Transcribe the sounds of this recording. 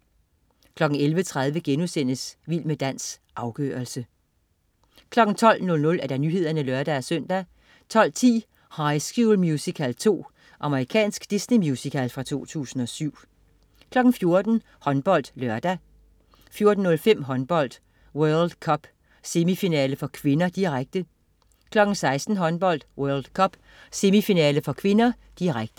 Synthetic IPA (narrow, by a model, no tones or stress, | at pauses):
kʰlɒ̽ɡ̥n̩elʋət͡sʰʁäð̞ˠʋəɡ̥enusen̰əsʋil̰məd̥æn̰sʔɑ̈ʊɡ̥ø̰ːɐlsə | kʰlɒ̽ɡ̥n̩t͡sʰɒ̽l̰nɔ̽lnɔ̽læɐɾ̥ænyɦe̝ð̰ˠɐnəlɶɐd̥ææsœn̰d̥æ | t͡sʰɒ̽l̰t͡sʰḭː | hɑ̈ɪsɡ̥julmjusikʰælt͡sʰo̝̰ː | ʔɑ̈məʁikʰɛ̰ːnsɡ̥d̥isnimjusikʰælfʁɑ̈t͡sʰo̝̰ːt͡sʰṵːsn̩ɒ̽syʊ̰ | kʰlɒ̽ɡ̥n̩fjo̝ɐd̥n̩ | hɒ̽nb̥ɒ̽l̰d̥lɶɐd̥æ | fjo̝ɐd̥n̩ːɔ̽lfem̰ɦɒ̽nb̥ɒ̽l̰d̥ | wœɐld̥kʰɒ̽b̥ | se̝mifinɛːləfɒ̽kʰʋe̝nɐd̥iʁaɡ̥̚d̥ə | kʰlɒ̽ɡ̥n̩sɑ̈ɪsd̥n̩ɦɒ̽nb̥ɒ̽l̰d̥wœɐld̥kʰɒ̽b̥ | se̝mifinɛːləfɒ̽kʰʋe̝nɐ | d̥iʁaɡ̥̚d̥ə